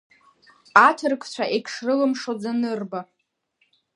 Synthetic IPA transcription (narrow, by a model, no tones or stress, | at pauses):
atʰɨrkʷʰʼt͡ɕʷʰaʔekʰʂrɨlɨmʂod͡zanɨrba